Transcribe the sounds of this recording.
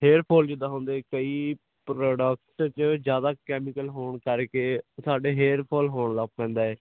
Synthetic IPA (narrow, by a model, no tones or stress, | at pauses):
ɦeːɾpʰoːld͡ʒɪd̪aːɦõːnd̪eːkəiː | pɾoːɖəkʈt͡ʃəd͡ʒjaːd̪aːkɛːmɪkəlɦoːɳkəɾkeːsaːɖeːɦeːɾpʰoːlɦoːɳlaːppɛ̃ːnd̪aːɛː